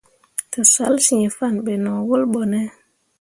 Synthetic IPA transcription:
to˨sa˦lsĩ˨fa˦˨nɓe˨nɔ˨wo˦lɓo˨ne˦

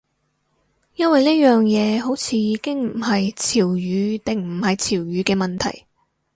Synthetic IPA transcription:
jɐ˥nwɐ˨jniː˥jœː˨ŋjɛː˨˧ɦo˨˥wt͡sʰiː˨˧jiː˨˧kɪ˥ŋm̩˨˩hɐ˨jt͡sʰiː˨˩wjyː˨˧t̪ɪ˨ŋm̩˨˩hɐ˨jt͡sʰiː˨˩wjyː˨˧kɛː˧mɐ˨nt̪ʰɐ̰˨˩j

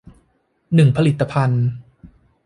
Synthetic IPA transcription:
nɯ˨˩ŋpʰa˧li˨˩t̪ːa˧pʰa˧n

